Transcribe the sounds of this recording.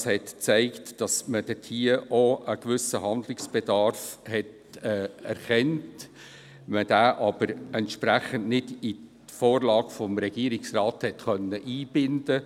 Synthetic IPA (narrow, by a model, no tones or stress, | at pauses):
shɛtt͡sæɪktd̥ɑsməd̥ɛtʰiːəʔoəkʋʏsəɦɑnd̪lɪksb̥ɛdɑɾfhɛt | ɛːɛɾχɛnt | məd̥æːʔɑb̥əɾɛntʃpɾæχəntnɪd̥i | foːɾlɑːɡ̥fɔmɾɛɡ̥iːɾɪksrɑːthɛtχœnːəʔiːb̥ɪnd̥ə